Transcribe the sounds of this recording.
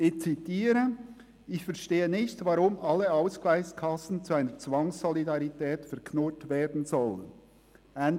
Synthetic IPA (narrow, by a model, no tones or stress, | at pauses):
ʔɪçt͡sitiːɾə | ɪçfɛɾʃteːənɪçtvɑɾʊmʔɑlːəaʊsklaɪçskʰɑsn̩t͡suaɪnət͡svɑŋsɔlidɑɾitʰɛːtfɛɐkʰnotveːɐdn̩zɔl | an